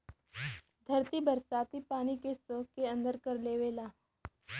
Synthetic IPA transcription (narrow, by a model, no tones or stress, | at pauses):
d̪ʱɐɾt̪ibɐɾsaːt̪ipaːnikesoːkeə̃nd̪əɾkɐɾleːʋeːlaː